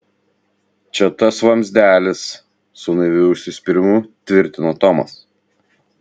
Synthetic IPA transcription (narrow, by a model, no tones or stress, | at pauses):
t͡ʃʲɛt̪ɐsʋɐmʲzʲd̪ʲæːlʲɪsː | ʊnɐɪʋʲɪʊʃʲsʲɪsʲpʲɪɾʲɪmʊt̪ʲʋʲɪɾʲt̪ʲɪnot̪ɔmɐ̰s